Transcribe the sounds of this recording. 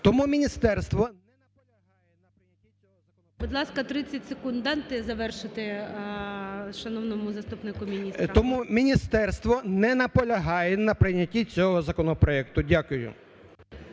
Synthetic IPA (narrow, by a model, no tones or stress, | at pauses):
t̪ɔmumʲinʲist̪ɛrst̪ʋɔ | nɐ | lʲɐɦɑjɛnɐpɾɪɐtʲiɔɔɐ | bʊd̪lˠɑskɐt̪ɾɪt͡sʲːɐtʲsekʊnd̪ɑnt̪ɪzɐʋɛrʃɪt̪ɪ | ʃɐnɔwnɔmʊzɐst̪upnɪkʊmʲinʲist̪ɔmumʲinʲist̪ɛrst̪ʋɔnɛnɐpɔlʲɐɦɑjɛnɐpɾɪnʲɐtʲit͡sʲɔɦɔzɐkɔnɔpɾɔɛkt̪ʊdʲakʊjʊ̰